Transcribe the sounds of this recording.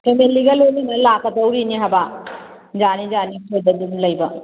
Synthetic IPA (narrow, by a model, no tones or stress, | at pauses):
kemelːiɡɐlojlinɐlakːɐdɐwɾiniɦaba | d͡ʒanid͡ʒanikʰedɐdunlɐjbɐ